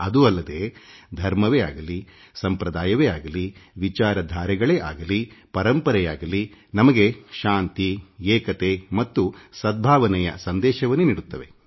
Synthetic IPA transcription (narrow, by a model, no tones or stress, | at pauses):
ɐd̪uɐlːɐd̪eːd̪ʱɐɾmɐʋeaːɡɐli | sɐmpɾɐd̪aːjɐʋeːaːɡɐliʋit͡ʃaːɾɐd̪ʱaːɾɛɡɐɭeːʔa̰ːɡɐlipɐɾɐmpɐɾɛjaːɡɐlinɐmɐɡe̞ʃaːnt̪ieːkɐt̪e̞mɐt̪ːusɐd̪̚bʱaːʋɐnɛjɐ̰sɐnd̪ɛːʃɐʋɐnːuniːɽut̪ːɐʋe̞